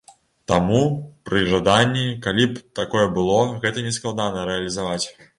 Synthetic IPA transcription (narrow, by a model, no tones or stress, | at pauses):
t̪amupɾɨʐad̪anʲːikalʲipt̪akɔjɛbɨlˠɔɣɛt̪ɐnʲɛsklˠad̪anɐɾɛɐlʲizavat͡sʲ